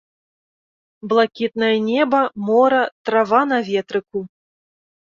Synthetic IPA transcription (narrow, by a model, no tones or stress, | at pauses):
blˠakʲit̪̚nɐjɐnʲɛbɐmɔɾɐt̪ɾavanavʲɛt̪ɾɨku